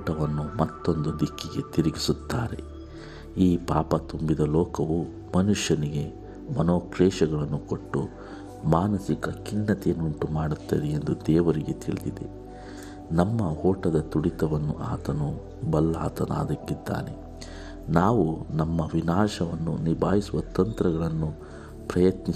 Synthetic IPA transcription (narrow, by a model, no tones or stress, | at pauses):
ʈɐʋɐnːumɐt̪ːo̞nd̪ud̪ikːiɡe̞t̪iɾiɡisut̪ːaːɾe̞̰ | iːpaːpɐt̪umbid̪ɐlɔːkɐʋu | mɐnuʂjɐniɡe̞ | mɐnoːkɾɛːʃɐɡɐɭɐnːukoʈːu | maːnɐsikɐkiɳːɐt̪inuɳʈumaːɽut̪ːɐd̪ejend̪ud̪ɛːʋɐɾiɡe̞t̪iɭid̪id̪ḛ | nɐmːɐhɔːʈɐd̪ɐt̪uɽit̪ɐʋɐnːṵʔaːt̪ɐnu | bɐlːa̰ːt̪ɐna̰ːd̪ɐkːid̪ːa̰ːne̞ | naːʋunɐmːɐʋinaːʂɐʋɐnːṵnibʱaːɦisuʋɐt̪ɐnt̪ɾɐɡɐɭɐnːu | pɾɐjɐt̪ni